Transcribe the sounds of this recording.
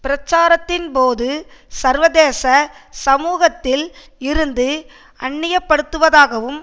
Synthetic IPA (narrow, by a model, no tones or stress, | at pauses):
pɪɾɐt͡ʃːaːɾɐt̪ːɪnpoːðɯsɐɾʋɐðeːsɐsɐmuːɣɐt̪ːɪl | ɪɾɯnd̪ɯ | ɐɳːɪjɐpːɐɽɯt̪ːɯʋɐðaːɣɐʋɯm